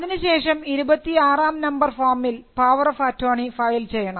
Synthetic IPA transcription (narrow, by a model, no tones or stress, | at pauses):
ðinɨɕe̞ːʂɐmiɾubɐt̪ːiaːraːmnɐmbɐrfaːrmilpaːʋɐrɐfɐtʰːoːɳifɐjlt͡ɕe̞jːɐɳɐm